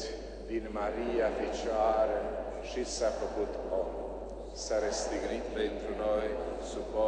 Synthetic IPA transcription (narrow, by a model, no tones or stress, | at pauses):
d̪inmaɾiːafit͡ʃaɾɛ | ʃisafɔkut̪ɔ | saɾɛst̪iɡɾit̪ːaint̪ɾunɔjsupɔ